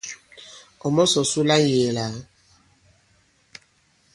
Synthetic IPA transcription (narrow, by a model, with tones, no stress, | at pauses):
ɔ˨mɔ˦sɔ˨su˦la˦je˨la˨˦